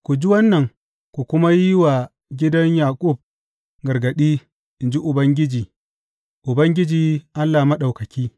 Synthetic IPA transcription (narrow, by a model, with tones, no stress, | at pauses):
kʷu˨d͡ʒi˦wɐ˦nːɐ˨ŋ | kʷu˨kʷʊ˦ma˦jɪ˦wa˨ | ɡʲɪ˦dɐ˦ɲjaː˨kʼʊ˦˨b̚ | ɡɐ˨rɡɐ˨ɗiː˦ | ʔɪ˨nd͡ʒi˦ʔʊ˨bɐ˦ŋɡʲɪ˦d͡ʒiː˨ | ʔʊ˨bɐ˦ŋɡʲɪ˦d͡ʒiː˨ʔa˦lːaː˨mɐ˦ɗa˨wkɐ˨kʲiː˦